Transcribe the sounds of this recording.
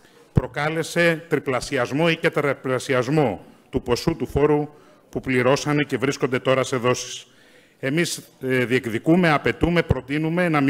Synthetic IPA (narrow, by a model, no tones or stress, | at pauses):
pɾo̞kɐle̞se̞t̪ɾiplɐsiɐzmo̞icet̪ɾɐplɐsiɐzmo̞t̪upo̞sut̪ufo̞ɾu | pupliɾo̞sɐnece̞vɾiskond̪e̞t̪o̞ɾɐse̞ðo̞si̥s | e̞miz | ðie̞kðikume̞ɐpe̞t̪ume̞pɾo̞t̪inume̞nɐm